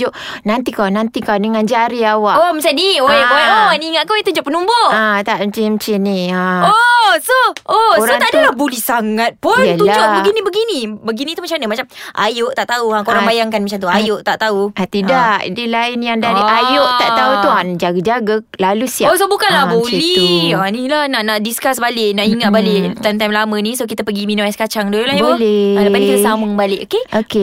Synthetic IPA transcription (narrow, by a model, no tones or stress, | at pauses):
oʔnant̪ikawnãnt̪ikawndəŋand͡ʒaɾiawaʔoməsanioooaniŋaʔkoit̪ud͡ʒʊʔpənumbʊat̪aʔmət͡ʃimət͡ʃiniaosoooɾaoŋt̪ad̪əlahbulihsaŋat̪̚pʊnəluad͡ʒoʔbəɡinibəɡinibəɡinĩt̪umat͡ʃamnəmat͡ʃamʔa̰joʔt̪aʔt̪auakoɾaŋbajaŋkanmat͡ʃaŋt̪uajoʔt̪aʔt̪auat̪idaʔdilaɪnjaŋdadiʔajoʔt̪aʔ̪aut̪uand͡ʒaɡəd͡ʒaɡa | lalusiaosobukanlahbolianilahnaʔnaʔdiskasbaleʔnaʔiŋat̪̚baleʔt̪ant̪ajmlamə̃nĩsokit̪əpəɡiminũmajskat͡ʃaŋdolulahjalalaankit̪əsaməŋbaleʔokeoke